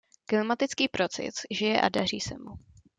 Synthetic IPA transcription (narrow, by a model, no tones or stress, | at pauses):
klɪmat̪ɪt͡skiːpɾo̞t͡sɪ̰sʒɪjɛʔa̰dar̝iːsɛmu